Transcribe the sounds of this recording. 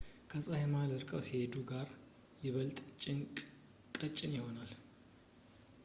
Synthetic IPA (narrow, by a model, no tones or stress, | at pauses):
kʰəsʼahɛmaləɾkʼəwsihed̪uɡaɾ | jɛβəlt̪ʼt͡ʃʼ | kʼət͡ʃʼːɪnjɪho̞nal